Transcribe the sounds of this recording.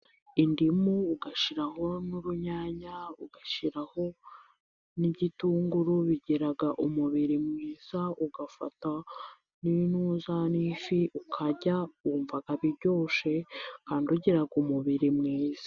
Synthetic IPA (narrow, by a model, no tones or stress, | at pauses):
indimuːɡaʃiɾaho̞nuɾuɲaːɲauɡaʃiɾaho̞ | nibɟituːŋɡuɾuβiɟiɾaɡaʔumuβiɾimŋiːz̥auɡafa̰ta | ninuːzanifiʔukʰaɟawuːɱvaɡaβiɾɟo̞ːʃekaːnduɟiɾaɡumuβiɾimŋiːz̥ḁ